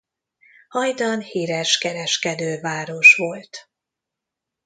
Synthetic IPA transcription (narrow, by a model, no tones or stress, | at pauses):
hɒjd̪ɒnhiːɾɛʃkɛɾɛʃkɛd̪øːvaːɾo̞ʃʋo̞lt̪